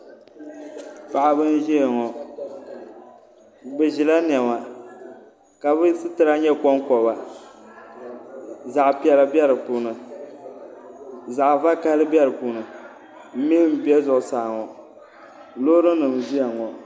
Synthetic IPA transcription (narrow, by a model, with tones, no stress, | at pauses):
pa˨ʔa˨bɨ˦n˦ʒɛ˦˨ŋɔ˨ | bɛ˨ʒi˨la˦n˨ɛ˨ma˨ | ka˨bɨ˦sɨ˦tɨ˨˦ɾa˦ɲɛ˦kɔ˦ŋkɔ˨ba˨ | za˨ʔpi˨˦ɛ˨la˨bjɛ˦ɾɨ˨puː˨nɨ˨ | za˨ʔva˦ka˦lɨ˦bɛ˦ɾɨ˨puː˨˦nɨ˨ | m̩˦mi˦m̩˦˨bi˦ɛ˦zʊ˨ʔʊ˨saː˨ŋɔ˨ | loː˦ɾɨ˦nɨ˨m˨ʒi˦a˨ŋɔ˨